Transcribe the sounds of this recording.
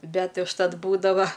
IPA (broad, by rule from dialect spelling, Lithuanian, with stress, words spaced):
ˈbʲɛtʲ ʊʃˈtɐt ˈbuːdɐʋɐ